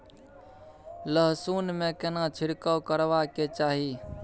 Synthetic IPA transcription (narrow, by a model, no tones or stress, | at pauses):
ləɦsuːnmẽkenat͡ʃʰɪɽkəkəɾʋaket͡ʃaːɦiː